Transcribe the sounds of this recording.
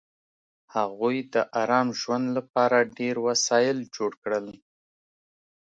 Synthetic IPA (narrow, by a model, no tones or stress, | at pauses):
haɣujd̪əʔaɾɑmʒwand̪lapɑɾaɖeɾwasɑjɪld͡ʒoɽkɽəl